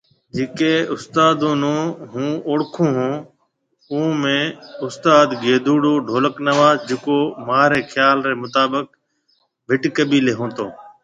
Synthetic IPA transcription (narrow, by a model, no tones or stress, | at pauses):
d͡ʒɪːkeːʊst̪aːd̪oːnõːɦũːoɽkʰũːɦõː | uːmẽːʊst̪aːd̪ɡeːd̪ʱuːɽoːɖʱoːləknəʋaːzd͡ʒɪkoːmaːɾeːxʰjaːlɾeːmʊt̪aːbək̚ | bʱɪʈkəbiːleːɦõːt̪oː